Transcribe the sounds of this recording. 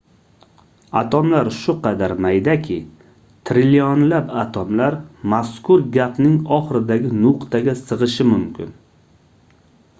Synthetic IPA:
at̪ʰɒmlaɾʃʊqʰɑd̪aɾmajd̪akʲʰɪ | t̪ʰɾɪljonlapat̪ʰɒmlaɾmaskʊɾɡʲapnɪŋɒχɾɪd̪aɡʲɪnʊqt̪ʰaɡʲasɨʁɨʃɪmʊmkʲɪ̰n

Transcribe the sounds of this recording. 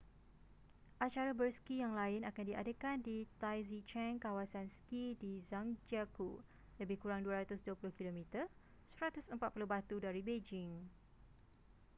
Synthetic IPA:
ʔat͡ʃaɾabərskijaŋlaɪnakandiʔa̰dəkandit̪ajzit͡ʃɛ̃ŋkawasansə̥kidizaŋd͡ʒaku | ləbɪhkuɾaŋduaɾat̪ʊsduəpulʊhkilomĩt̪ə | səɾat̪ʊsəmpat̪̚pulʊɦbat̪udaɾibed͡ʒɪŋ

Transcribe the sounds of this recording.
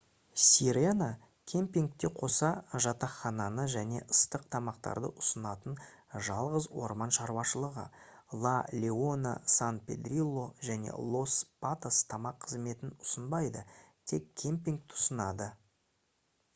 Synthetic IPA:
sʲiɾena | kʲʰe̞mpʲiŋk̚t̪e̞qʰo̞sɑʒɑt̪ɑχɑnɑnəʒæne̞̰ʔəst̪əq̚t̪ʰɑmɑqt̪ɑ̰ɾd̪ə̰ʔʊsənɑt̪ən | ʒɑlˠʁəzwo̞̰ɾmɑnʃɑɾwɑʃəlˠəʁə̰lˠalʲeonə̰sanpʲe̞̰d̪rʲilˠːo̞ʒæne̞̰lˠo̞spat̪ast̪ʰɑmɑqʰːəzme̞t̪ɪnʊsənbɑjd̪ət̪ʰe̞kʲʰːe̞mpʲiŋk̚t̪ʰʊ̥sənɑd̪ə

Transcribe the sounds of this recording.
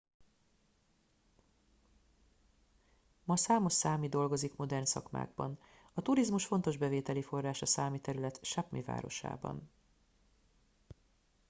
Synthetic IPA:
mɒsaːmo̞ʃsaːmid̪o̞lɡo̞zikmo̞d̪ɛrnsɒ̰kma̰ːɡ̚bɒ̰n | ɒt̪uɾizmuʃfo̞nt̪o̞ʒbɛveːt̪ɛlifo̞rːaːʃɒsaːmit̪ɛɾylɛt̪ʃapmḭva̰ːɾo̞̰ʃa̰ːbɒ̰n

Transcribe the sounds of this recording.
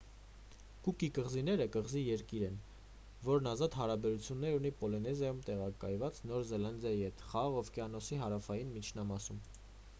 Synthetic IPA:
kukikəʁzinɛɾəkəʁzijɛɾkiɾɛn | vɔɾnɑzɑt̪hɑɾɑbɛɾut͡sʰjunːɛɾunipɔlinɛzjɑjumt̪ɛʁɑkɑ̰jvɑt͡snɔɾzɛlɑnd̪jɑjihɛt̪χɑʁɑʁɔvkɛɑnɔsiɦɑɾɑfɑjinmit͡ʃʰnɑmɑsum

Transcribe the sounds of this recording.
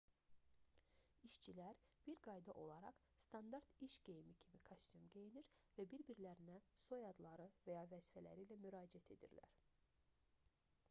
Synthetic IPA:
iʃt͡ʃʰilæɾb̥iɾɡɑjd̪ɑʔo̞lˠɑɾɑ̰χ | st̪ʰɑnd̪ɑɾt̪iʃɟ̥e̞jmicʰimikʰost̪ymɟʲejiniɾvæbiɾbiɾlæɾinæsojɑd̪lˠɑɾɯvæjɑvæzifælæ̰ɾilæmyɾɑːd͡ʒiæt̪ʰe̞d̪ḭɾlæ̰ɾ̥

